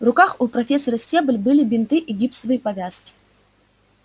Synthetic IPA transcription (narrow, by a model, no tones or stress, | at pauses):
vrʊkaxʊpɾɐfʲesːɐɾəsʲtʲebəlʲbɨlʲɪbʲɪnt̪ɨʔiɡʲipsvɨjipɐvʲaskʲɪ̥